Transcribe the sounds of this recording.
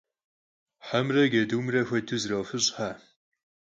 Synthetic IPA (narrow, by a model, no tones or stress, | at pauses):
ħamrɐɡɐduːmrɐxʷɐdʰɨzrɐwfɨɕʼħaː